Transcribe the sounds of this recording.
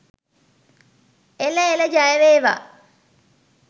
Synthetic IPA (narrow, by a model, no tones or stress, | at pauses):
eləeləd͡ʒajəʋeːʋa̰ː